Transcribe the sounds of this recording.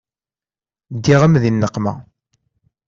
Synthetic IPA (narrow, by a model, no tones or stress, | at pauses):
d̪ːiʁəmðinːəqːmæ̰